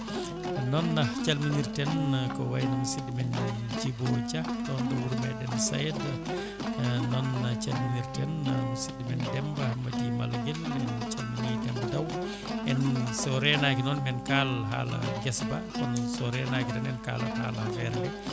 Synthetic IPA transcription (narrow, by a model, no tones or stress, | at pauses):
nɔnːat͡ʃalminiɾtɛnkɔwajnamusidimɛn | d͡ʒibɔt͡ʃatɔndɔwuɾmajɗɛnsa̰jta | nɔnːat͡ʃalminiɾtɛnamusidimɛndɛmbahamːatima̰laɡɛlmant͡ʃalmiɲiːdɛmbadaw | ʔɛnsɔɾɛnakinɔnmɛnkalɦa̰la̰ɡɛsbakɔnsɔɾɛnakidɛnɛnka̰ːlɔha̰ːlahafɛɾlɛ